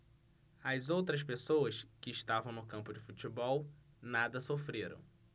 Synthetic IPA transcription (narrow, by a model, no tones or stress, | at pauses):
ɐzowt̪ɾɐspesowɐskɪːʃt̪avɐ̃w̃nʊkɐ̃mpʊd͡ʒɪfut͡ʃibɔw | nad̪ɐsofɾeɾɐ̰̃w̃